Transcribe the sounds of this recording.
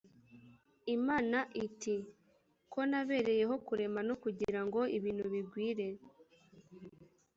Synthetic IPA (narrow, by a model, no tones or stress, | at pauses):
imaːnaʔiti | ko̞naβe̞ːɾe̞je̞ɦo̞kuɾe̞manokuɟiɾaŋɡo̞iβiːnhuβiɡwiːɾe̞